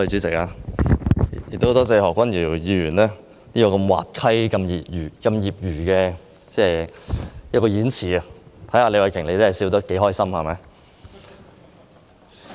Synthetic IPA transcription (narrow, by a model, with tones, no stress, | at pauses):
ɵ˧jt͡ʃyː˨˥t͡sɪ˨˩k̚aː˧˨ | jɪ˨t̪o˥˧˥t̪ɔː˥t͡se˧hɔː˨kːwɐ˥njiː˨˩˨jiː˨˧ɥyː˨˩nlɛː˥ | niː˥kɔː˧kɐ˧mwa̰ː˨t̚kʰɐ˥jkɐ˧mjiː˨˩p̚jyː˨˩kɐ˧mjiː˨˩p̚jyː˨˩kɛː˧ | t͡sɛː˧ | jɐ˥t̚kɔː˧jiː˨˥nt͡sʰiː˨˩ɐ˨t̪ʰɐ˨˥jhaː˧le˨˧jwɐ˨˧jkʰɪ˨˩ŋle˨˧jt͡se˥hɐ˨˩jsiː˧wt̪̬ɐ˥k̚ke˨˥jɦɔː˥jsɐ˥mhɐ˨jmɐ˨˧˦j